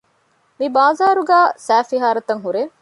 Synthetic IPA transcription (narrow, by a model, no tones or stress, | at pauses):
mibaːzaːɾuɡæːsæːfiɦaːɾɐt̪ɐŋɦuɾe